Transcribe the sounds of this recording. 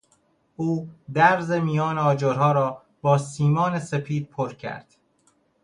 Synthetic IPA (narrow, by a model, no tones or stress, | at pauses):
ʔuːd̪æɾzemijɒːneɒːd͡ʒoɾɦɒːɾɒː | bɒːsiːmɒːnesepʰiːd̪̥̚pʰoɾcʰæ̰ɾd̪̥